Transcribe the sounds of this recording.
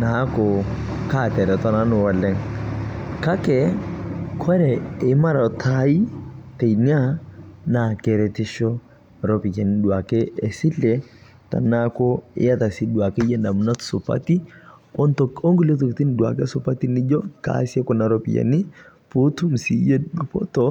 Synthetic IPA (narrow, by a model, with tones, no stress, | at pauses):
na˨˦kɔ˨ | ka˦˨t̪ɛ˨ɾɛ˨t̪ɔ˦na˦nʊ˨wa˨lɛ˦ŋ | ka˦kɛ | kʰɔ˦ɾɛɪ˨ma˦ɾa˨t̪ʰa˦i˦te˨jni˦a˦na˨kɛ˨ɾɛt̪ɪ˦ʃɔ˦ | ɾɔpi˨kɛ˨nidu˨a˨kɛ˦ɛ˨si˦lːɛ | ta̰˨na˦kɔ˦ɪ̰˦ja˦t̪a˨sidu˨a˨kɛ˦jɛ˦na˨m˨na˦t̪su˨pa̰t̪i˦ | ɔ˦nt̪ɔko˦ŋɡu˦lɛ˦t̪̬ɔ˨kt̪i˦ndu˨a̰˨kɛ˦sʊ˦pa˦t̪i˦ni˦d͡ʒɔ˦ka̰sɛ˦kɔna˨ɾɔpḭ˨jɛ̰˨ni˦po˦t̪u˦msi˨˦jɛ˦du˨pɔ̰˦tɔ